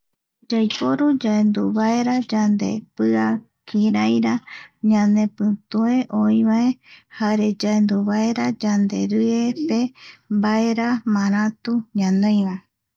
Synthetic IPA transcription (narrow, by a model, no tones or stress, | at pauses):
d͡ʒajpoɾud͡ʒaend̪uβaeɾad͡ʒand̪e̞̰pɨa | kʰiɾajɾaɲãnẽ̞pɨt̪ue̞ʔoĩβaehaɾe̞d͡ʒaend̪uβaeɾad͡ʒand̪e̞̰ɾɨepe̞mbaeɾamãɾ̃ãt̪uɲãnõj̃βae